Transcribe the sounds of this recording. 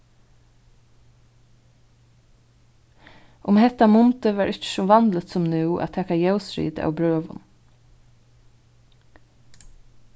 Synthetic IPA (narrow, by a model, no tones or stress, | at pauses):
ʔʊmhɛt̪amʊnt̪əʋæːɹʔɪt͡ʃə̥sɔʋɑnlət̪sɔmnʉːʔæ̰ːt̪ʰɛːkajɛʊsɹḭːd̪ɑ̰ːwbɹøːʋʊ̰n